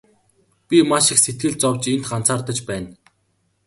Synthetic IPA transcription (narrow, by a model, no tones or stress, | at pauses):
pʲimaʃɪ̆kset̪̚ɡɘ̆ɮt͡sɔwt͡ɕent̪ɢan̥t͡sʰaːrt̪ə̆t͡ɕpæːn